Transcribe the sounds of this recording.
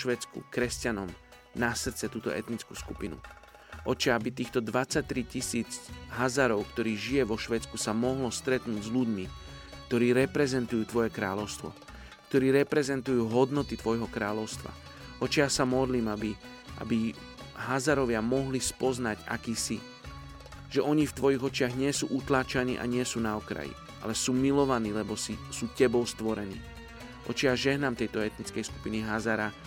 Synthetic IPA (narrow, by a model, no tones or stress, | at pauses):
ʃʋɛːt͡skṵkɾɛscanɔm | nasr̩t͡sɛt̪uːt̪ɔ̰ɛ̰t̪nit͡skuːskupinṵ | ʔɔt͡ʃɛabit̪iːxt̪ɔd̪ʋat͡sac̚t̪ːɾicisiːd͡zɦazaɾɔʊkt̪ɔɾiːʒijɛʋɔʃʋɛːt͡skusamɔɦlɔst̪ɾɛt̪nuːɟzʎuɟmi | kt̪ɔɾiːɾɛpɾɛzɛnt̪ujuːt̪ʋɔjɛkɾaːlɔʊst̪ʋɔ̰ | kt̪ɔɾiːɾɛpɾɛzɛnt̪ujuːɦɔd̪nɔt̪it̪ʋɔjɦɔkɾaːlɔʊst̪ʋa̰ | ʔɔt͡ʃɪasamɔd̪liːmabi | ʔa̰bi | ɦazaɾɔʋɪamɔɦlispɔznaɟa̰kiːsi | ʒ̥ɛʔɔɲift̪ʋɔjiɣɔt͡ʃɪaɣɲɪɛsuːʔut̪laːt͡ʃanḭːʔa̰ɲɪɛsuːnaɔkɾa̰jḭ | ʔa̰lɛsuːmilɔʋaniːlɛbɔsisuːcɛbɔʊst̪ʋɔɾɛnḭː | ʔɔ̰t͡ʃɪaʒɛɦnamt̪ɛjt̪ɔɛt̪̚nit͡skɛjsku̥piniɦazaɾa